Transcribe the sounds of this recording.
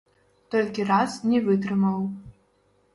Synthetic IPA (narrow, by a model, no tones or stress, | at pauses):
t̪ɔlʲkʲirasnʲɛvɨt̪̬ɾɨmɐw